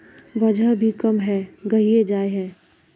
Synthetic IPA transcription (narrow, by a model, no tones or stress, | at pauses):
ʋɐd͡ʒʱəbʱikɐmɦɛɡɐɦied͡ʒaːeɦɛ̃ː